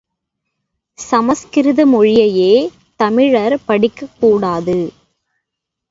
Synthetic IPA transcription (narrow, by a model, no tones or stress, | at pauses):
sɐmɐskɪɾɪðɐmɔɻɪjɐjeː | t̪ɐmɪɻɐɾpɐɽɪkːɐkːuːɽaːðɯ